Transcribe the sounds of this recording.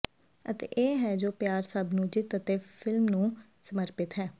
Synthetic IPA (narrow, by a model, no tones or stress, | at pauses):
ə̰t̪ḛːʔeːɦɛːd͡ʒoːpjaːɾsəbnũːd͡ʒɪt̪ət̪eːpʰɪlmnũː | səməɾpɪt̪ɦɛː